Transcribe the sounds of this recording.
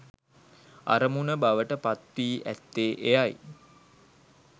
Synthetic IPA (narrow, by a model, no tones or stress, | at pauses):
a̰ɾəmunəbaʋəʈəpat̪ʋiːʔæ̰t̪ːeːʔejaj